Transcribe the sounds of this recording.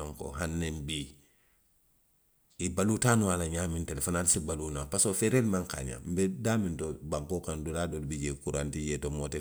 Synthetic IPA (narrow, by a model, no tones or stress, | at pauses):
aŋko̰ɦanːembiː | ibaluːtaːnuwalaɲaːmintelefonalsibaluːnapasofeɾelmaŋka̰ːɲã̰mbedaːmintobaŋkokanduladoːlibiɟeːkuɾantiɟeːtomoːte